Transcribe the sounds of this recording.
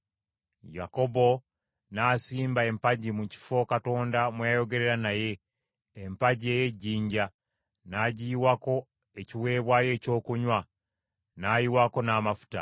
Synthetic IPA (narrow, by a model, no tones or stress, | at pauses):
ja̰ko̞bo̞ | naːsiːmbae̞mpaɟimuci̥fo̞kato̞ːndamweajo̞ɡe̞ɾe̞ɾanaje̞ː | mpaɟie̞je̞ɟːiːɲɟa | naɟiiwako̞ | e̞ciwe̞ːβwaje̞ːco̞ːkuɲwa | najiwako̞naːmafu̥ta̰